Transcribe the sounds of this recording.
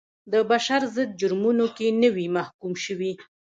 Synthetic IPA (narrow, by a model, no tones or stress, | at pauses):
d̪əbaʃaɾzəd̪̚d͡ʒʊɾmunokenəwimahkumʃəwi